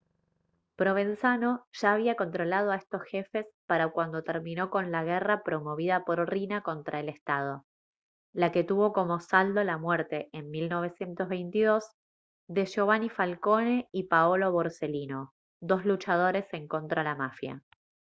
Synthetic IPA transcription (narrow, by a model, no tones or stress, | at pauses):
pɾo̞β̞e̞nsano̞ʒ̥aːβ̞iako̞nt̪ɾo̞lað̞o̞aest̪o̞sxe̞fe̞spaɾakwand̪ot̪eɾmĩno̞ko̞nlaɣ̞erapɾo̞mo̞βiðapo̞ɾrinako̞nt̪ɾaele̞st̪að̞o̞ | lake̞t̪uβo̞ko̞mo̞sald̪o̞lamweɾt̪e̞ːnmilno̞β̞e̞sje̞nt̪ozβejnt̪iðo̞z | ðe̞ʃoβanifalko̞neipaolo̞βo̞ɾselino̞ | d̪o̞zlut͡ʃað̞o̞ɾe̞se̞ŋko̞nt̪ɾalamafja̰